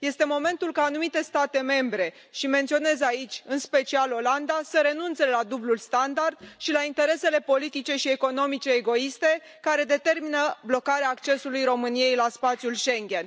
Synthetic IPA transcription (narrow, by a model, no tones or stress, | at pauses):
je̞st̪e̞mo̞me̞nt̪ulkaːnumit̪e̞st̪at̪e̞me̞mbɾe̞ | ʃiment̪sio̞ne̞zait͡ʃʲɨnspe̞t͡ʃialo̞land̪asəɾe̞nunt̪se̞lad̪ublulst̪and̪ard̪̥ʃilaint̪e̞ɾe̞se̞le̞po̞lit̪it͡ʃe̞ʃieko̞no̞mit͡ʃe̞ːɡo̞ist̪e̞ | kaɾe̞d̪e̞t̪e̞rminəblo̞kaɾeaːkt͡ʃe̞sulujɾo̞mɨnije̞jlaspat̪sijulʃe̞ŋɡʲe̞n